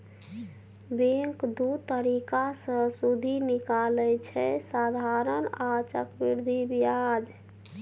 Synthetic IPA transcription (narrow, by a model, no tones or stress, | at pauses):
beŋkd̪ut̪əɾikasə̃sud̪ʱinikalɛt͡ʃʰɛsad̪ʱaɾənat͡ʃəkbiɾd̪ʱibijad͡ʒ